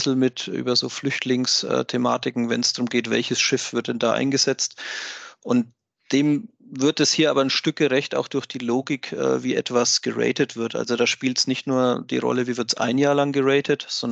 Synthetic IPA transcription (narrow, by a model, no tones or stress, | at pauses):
l̩mɪtʔy̰ːbɐzo̰ːflʏçtʰlɪŋsʔɛ̰ːtʰema̰ːtɪkŋ̩vɛ̰nsd̥ʁʊmɡeːtv̥ɛ̰lçəsʃɪfv̥ɪɐt̚d̥ɛndaːʔa̰ɪnɡəzɛt͡stʔʊnt̚ | d̥eːmvɪɐt̚d̥ashiːɐa̰ːbɐnʃtʏk̚ɡ̥əʁɛçta̰ʊxd̥ʊɐçd̥iːloːɡɪkʔɛ̰ːviːʔɛtv̥asɡ̥əʁɛ̰ɪtətv̥ɪɐtʔa̰lzodaːʃpiːltsnɪçtnuːɐd̥iːʁɔ̰ləviːvɪɐtsʔa̰ɪnjaːɐlaŋɡəʁɛɪtʰətz̥ɔn